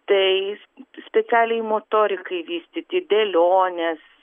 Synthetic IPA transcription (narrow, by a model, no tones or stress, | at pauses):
t̪ɐɪ | sʲpʲɛt͡s̪ʲæːlʲɛjmoːt̪oːɾʲɪkɐɪʋʲiːsʲt̪ʲɪt̪ʲɪd̪ʲɛːlʲoːnʲɛs